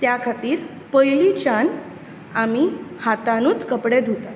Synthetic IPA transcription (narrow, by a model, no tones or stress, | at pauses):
t̪jakʰat̪iːɾ | pəjlit͡ɕan | amihat̪anuːt͡skəpɽed̪ʱut̪a